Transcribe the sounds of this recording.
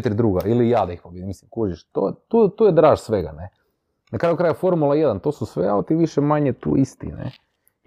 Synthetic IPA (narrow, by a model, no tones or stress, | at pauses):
t̪ɾʲd̪ɾuːɡailijaːd̪aixpobied̪imislimkuʒiʃt̪o̰t̪ut̪uːjed̪ɾaːʒsʋeɡa̰ne | nakɾaːjukɾaːjafo̞ɾmulˠajed̪ant̪o̞ːsusʋea̰lt̪iʋiʃemaɲet̪ṵːʔist̪ḭnḛ